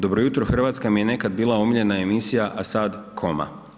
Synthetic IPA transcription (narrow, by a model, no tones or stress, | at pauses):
d̪o̞bɾojut̪ɾoxr̩ʋaːt̪skamije̞ne̞kad̪̚biːlˠaomiʎe̞nae̞misijaʔasad̪kʰo̞ma̰